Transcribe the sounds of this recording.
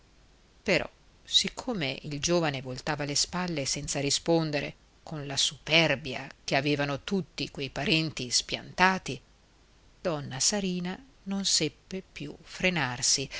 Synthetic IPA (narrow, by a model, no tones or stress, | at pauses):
peɾɔ̰ | sikʰːoːmeʔild͡ʒoːvanevolt̪aːvalespalːesɛnt̪saɾispond̪eɾḛ | kʰonlasupɛrbja̰k̟eaveːvanot̪ut̪ːikwejpaɾɛnt̪ispja̰nt̪aːt̪i | d̪̥ɔnːasaɾiːna | nonsɛpːepjṵfɾenarsi